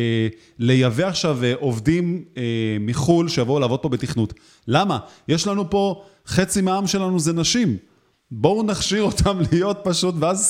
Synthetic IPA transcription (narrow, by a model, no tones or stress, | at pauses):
le̞javeaχʃaveʔo̞vdimeːiχulʃejavoulaːvo̞d̚po̞be̞tiχnut | lamajeʃlanupo̞ | χe̞t͡simeaamʃe̞lanuzenaʃim | bo̞unaχʃiʁo̞t̪ʰamlijo̞t̚paʃutveaz